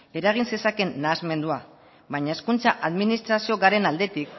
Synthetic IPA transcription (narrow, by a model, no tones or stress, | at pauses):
e̞ɾaɣ̞inse̞sake̞nːaːzme̞nd̪ua | βajɲae̞skunt͡saʔaðminist̪ɾasio̞ɣaɾe̞nald̪e̞t̪ik